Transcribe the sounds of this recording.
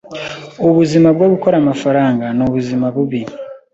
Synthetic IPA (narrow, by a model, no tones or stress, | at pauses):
oβuzimaβwoβukoɾamafaɾaːŋɡanoβuzimaβuβi